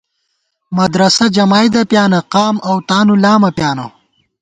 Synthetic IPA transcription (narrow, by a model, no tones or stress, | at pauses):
mɐd̪ɾɐsɐd͡ʒɐmaːjd̪ɐpjaːnɐqaːmɐwt̪aːnulaːmɐpjaːnɐ